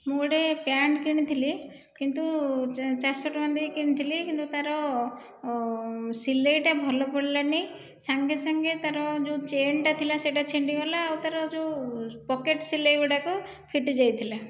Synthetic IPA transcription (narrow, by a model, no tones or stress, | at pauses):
moɽepjaɳʈkiɽ̃it̪ʰili | kint̪ut͡ʃasɔʈmand̪ikiñit̪ʰilikint̪ut̪aɾɔ | sileʈabʱɔlɔpɔɽilanej | saŋɡesaŋɡet̪aɾɔd͡ʒũt͡ʃeɳʈat̪ʰilaseʈat͡ʃeɳɖiɦɔlaːwt̪aɾɔd͡ʒupɔkeʈsileɡuʈaku | pʰiʈid͡ʒajt̪ʰila